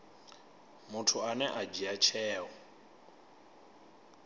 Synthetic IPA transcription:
mʊtʰʊanɛʔad͡ʒiat͡ʃʰɛːɔ

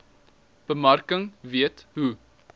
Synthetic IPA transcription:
b̥əmɐrkəŋviətɦu

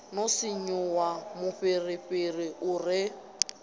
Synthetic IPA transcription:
nosɪɲʊwamʊɸɪrɪɸɪrɪʊrɪ

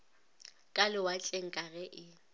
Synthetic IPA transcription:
kʼalɪwat͡ɬʼeŋ̩kʼaɣɛʔɪ

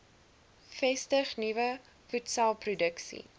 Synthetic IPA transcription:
fɛstəχnivə | futsɐlˠprudəksḭ

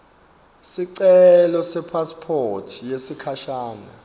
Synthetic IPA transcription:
siǀɛlɔsɛpʰaspʰotʰijesikʰaʃaːna

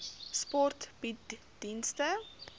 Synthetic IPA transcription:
spɔrtb̥it | dinstə

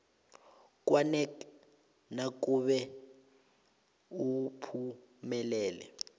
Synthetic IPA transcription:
k̬ʼwanɛk | nak̬ʼuɓɛ | upʰu | mɛlɛːlɛ̰

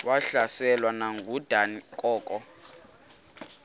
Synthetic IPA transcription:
waɬasɛlwanaŋɡʱud̥ʱanikʼɔːkʼɔ

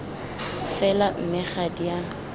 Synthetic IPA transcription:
fɛlam̩mɪχadija

